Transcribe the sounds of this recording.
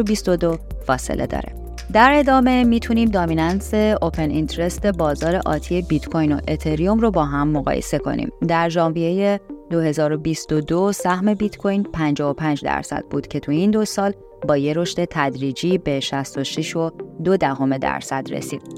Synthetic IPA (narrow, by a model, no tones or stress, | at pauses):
bist̪o̞d̪ofɒːsḛlʔḛd̪ɒ̰ːɾḛ | d̪æɾe̞d̪ɒːme̞miːt̪ʰuniːmd̪ɒːminɑnse̞opʰe̞nint̪ʰɾe̞st̪e̞bɒːzɒːɾe̞ʔɒ̰ːt̪ʰiebit̪kʰojno̰ʔet̪ʰe̞ɾijomrobɒːɦæmːoɣɒ̰ːjḛse̞kʰo̞̰nʔḭːmd̪æɾd͡ʒɒːmvieje̞d̪o̞he̞zɒːɾo̞bist̪od̪osæhme̞bit̪kʰojnpʰænd͡ʒɒːopʰænd͡ʒd̪æ̰ɾsæ̰d̪̥̚buːd̪̥cʰe̞t̪ʰuind̪o̞sɒːl | bɒːje̞ɾo̞ʃt̪e̞t̪ʰæd̪ɾiːd͡ʒiːbe̞ʃæst̪o̞ʃiʃo̞d̪o̞d̪æɦo̞me̞d̪æ̰ɾsæ̰d̪ɾḛsiːd̪̥̚